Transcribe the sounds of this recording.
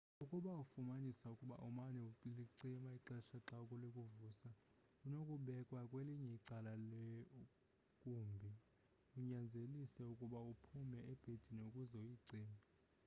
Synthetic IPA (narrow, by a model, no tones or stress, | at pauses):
ukʼuɓaufumanisaukʼuɓa̰ʔumanɛuiliǀimaiǁɛʃaǁakʼɔlekʼuvuːsa | unokʼuɓɛkʼwakʼweliɲɛiǀalale | kʼumbʱi | uɲand͡zʱelisɛukʼuɓaupʰumɛɛb̥ʱed̥ʱiniukʼuzɛujiǀiːma